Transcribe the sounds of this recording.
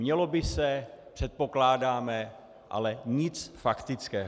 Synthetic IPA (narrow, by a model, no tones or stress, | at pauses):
ɲɛlo̞bɪsɛpr̥ɛt̪̚po̞klaːdaːmɛ | ʔa̰lɛɲɪt͡sfakt̪ɪt͡skɛː